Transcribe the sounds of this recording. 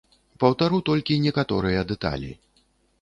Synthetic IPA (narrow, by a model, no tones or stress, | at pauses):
pɐwt̪aɾut̪ɔlʲkʲinʲɛkat̪ɔɾɨjɐd̪ɛt̪a̰lʲḭ